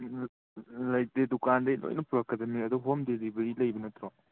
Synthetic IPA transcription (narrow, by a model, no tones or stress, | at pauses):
lɐjdedukandɐjlo̰jnɐpuɾɐkːɐdɐmiɐduɦomdelibɐɾilɐjbɐnɐtɾɔ